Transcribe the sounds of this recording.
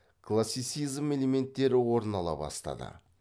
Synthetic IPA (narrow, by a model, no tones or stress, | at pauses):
kʰlˠasːijt̪sijzme̞le̞me̞nt̪ːe̞ɾɪwo̞ɾənɑlˠɑ̰bɑ̰st̪ɑ̰d̪ə̰